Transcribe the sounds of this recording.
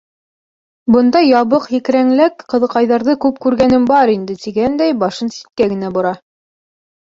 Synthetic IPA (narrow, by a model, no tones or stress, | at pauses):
bɤ̆nd̪ɑjɑβɤqjɘ̆kɾæŋlækqɤ̆ðɤ̆qɑjðɑɾðɤkʉp̚kʉɾɡænɘmbɑɾind̪ɘt̪iɡænd̪æjbɑʃɤnsi̥t̪̚kæɡɘ̆næbŭɾɑ